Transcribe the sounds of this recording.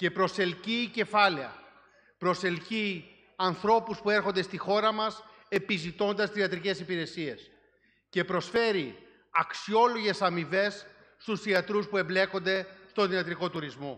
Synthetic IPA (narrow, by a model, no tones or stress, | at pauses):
ce̞pɾo̞se̞lcice̞fɐle̞ɐ̰ | pɾo̞se̞lci | ɐnθɾo̞puspue̞ɾxond̪e̞st̪ixo̞ɾɐmɐs | e̞pizit̪o̞nd̪ɐst̪isiɐt̪ɾice̞sipiɾe̞sie̞s | ce̞pɾo̞sfe̞ɾi | ɐksio̞lo̞ʝe̞sɐmive̞sː | t̪usθiɐt̪ɾuspue̞mble̞ko̞nd̪e̞st̪oðiɐt̪ɾiko̞t̪uɾizmo̞